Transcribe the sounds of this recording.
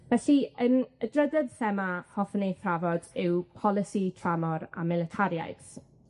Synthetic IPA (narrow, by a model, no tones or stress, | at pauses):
vɛɬiənədrədɛdθɛmahɔfnejθravɔdɪwpʰɔlˠɪsitʰramɔɾa̰mɪlətʰaɾja̰jθ